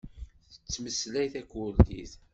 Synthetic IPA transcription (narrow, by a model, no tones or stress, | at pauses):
θə̥t͡sːməslæjθækʷːuljḭθ